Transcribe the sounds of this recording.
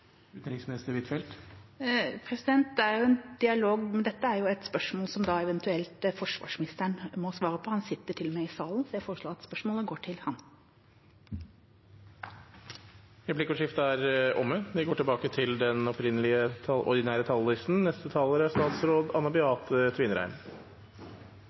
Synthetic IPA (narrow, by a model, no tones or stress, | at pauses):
ʉt̪nɾɪksmnɛst̪əɾʋɪt̪fɛlt̪ | pʰɾɛsɪd̪ɛnt̪̚d̪ɛæɾjʊɛnd̪̥ɪɑloːɡmɛnd̪ɛt̪ːəæɾjʊɛt̪spœʂmoːlsɔmd̪ɑɛʋɛnt̪ʰʉɛlt̪fɔʂʋɑ̰ːʂmɪnɪst̪əɳmɔsʋɑːɾəpʰɔhɑnsɪt̪ːəʈʰɪlmæɪɪsɑːln̩sɔjæfoːɾəʂɭoːɾɑt̪spœʂmoːləɡoːʈʰɪlhɑn | ɾɛpʰlɪkɔʂɪft̪əæɾʔɔmːəʋɪɡoːʈɪlbɑːkət̪ʰɪld̪ɛnɔpɾɪnːəlɪət̪ʰɑʔɔ̰ɾd̪ɪnæːɾət̪ʰɑllɪst̪n̩nɛst̪ət̪ʰɑːləɾæst̪ɑːt̪sɾoːd̪ɑnːɑbɪɑːt̪ət̪ʰʋɪːnəɾæ̰ɪm